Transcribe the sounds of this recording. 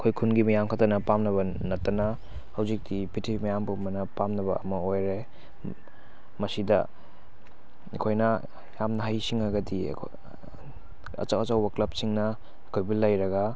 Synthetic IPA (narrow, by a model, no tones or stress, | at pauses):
ɐkʰojkʰunɡimɐjamkʰatɐnɐpamnɐβɐ | nɐtːɐnɐ | hɐwzik̚dipitʰimɐjambumɐnɐpamnɐβɐɐmɐojɾe | mɐsidɐ̰ | ɐ̰kʰojnɐ | jamnɐɦajsiŋɐɡɐdḭkʰ | ɐ̰t͡ʃawɐt͡ʃɐwbɐklɐp̚siŋnɐː | kʰojbilɐjɾɐɡɐ